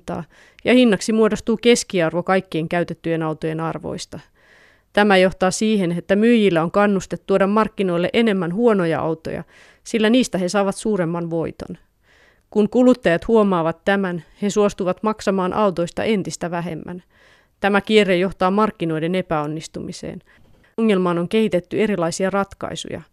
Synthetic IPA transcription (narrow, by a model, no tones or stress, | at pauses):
t̪ɑ̰ː | jɑhinːɑksimuo̞dost̪uːke̞skiɑrʋo̞kɑjkːieŋkæɥt̪et̪ːyje̞nɑwt̪oje̞nɑrʋo̞̰jst̪ɑ | t̪æmæjo̞ht̪ɑːsiːhe̞net̪ːæmyjilːæo̞ŋkɑnːust̪et̪ːuodɑmːɑrkːino̞jlːḛʔe̞ne̞mːænɦuonojɑ̰ʔɑ̰wt̪o̞̰jɑ̰ | silːæniːst̪æɦe̞sɑːʋɑt̪suːɾe̞mːɑnʋo̞jt̪o̞̰n | kunkulut̪ːɑjɑt̪huomɑːʋɑt̪ːæmænhe̞suost̪uʋɑt̪mɑksɑmɑːnʔɑ̰wt̪o̞ist̪ɑ̰ʔe̞nt̪ist̪æʋæɦe̞̰mːæ̰n | t̪æmæk̟ierejo̞ht̪ɑːmɑrkːino̞jde̞ne̞pæo̞nːist̪umisḛːn | ŋːelmɑːno̞ŋk̟e̞hit̪e̞t̪ːye̞ɾilɑjsiɑrɑt̪kɑ̰isṵjɑ̰